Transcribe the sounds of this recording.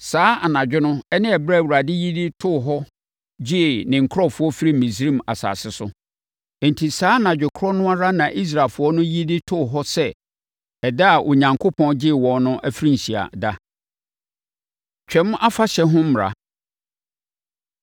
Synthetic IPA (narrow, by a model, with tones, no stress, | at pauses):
saː˨˦a˨nã˨d͡ʑᶣɪ˦nʊ̃˦ɛ˦nɪ̃˦ɛ˨bɾa˦˨wu˨ɾa˨dɪ˦ji˦di˦tʰʊ˦˨ɦɔ˦ | d͡ʑɪ˦˨nɪ̃˨ŋ̩˨kʰɔ˦fʊ˨˦ɔ˦fi˦ɾi˦mĩ˨s̬ɾĩ˦˨m˨a˨sa̰ː˨sɪ˦sʊ˦˨ | n̩˨tʰi˨saː˨˦nã˨d͡ʑᶣɪ˨kʰɾɔ˦nʊ̃˦a˦ɾa˦nã˨ʔi˦s̬ɾaː˨lfʊ˨˦ɔ˦nʊ̃˦ji˦di˦tʰʊ˦˨ɦɔ˦sɛ˦ | ɛ˨da˦a˨ʔʊ˨ɲã˨ŋkʰo˦pʰɔ̃˦nd͡ʑɪ˦˨wɔ̃˨nnʊ̃˦ʔæ˦fi˦ɾĩ˦n̩˨ɕi˨a̰˨da˦ | t͡ɕᶣɛ̃˦m˦ʔa˦fa˦ɕɛ˨ɦʊ̃˦m̩˦m˨ɾa̰˨